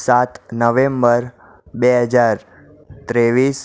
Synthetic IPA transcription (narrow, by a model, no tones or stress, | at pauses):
sat̪nəʋẽmbəɾ | beɦəd͡ʒaɾ | t̪ɾeʋis